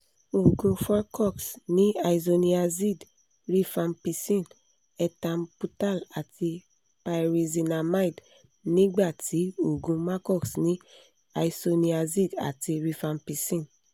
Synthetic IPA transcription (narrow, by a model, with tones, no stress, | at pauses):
o˨ɡũ˧fa˦kɔ˦˨ksnĩ˨˦a˧i˨zo˧nĩ˧a˧zi˦˨d | ɾi˧fã˧npi˧sĩ˦˨n | ɛ˧tã˧m̩˦pu˧ta˦˨la˨ti˧ | pa˧ɾi˧zi˧na˧ma˦i˨d | nĩ˦ɡ͡ba˦˨ti˨˦o˨ɡũ˧ma˦kɔ˦˨ksnĩ˦ | a˧i˧so˧nĩ˧a˧zi˦˨da̰˨ti˧ɾi˧fã˧npi˧sĩ˦˨n